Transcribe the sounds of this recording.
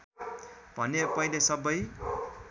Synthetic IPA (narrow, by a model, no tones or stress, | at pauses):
b̥ʱʌnepʌjlesʌbʌj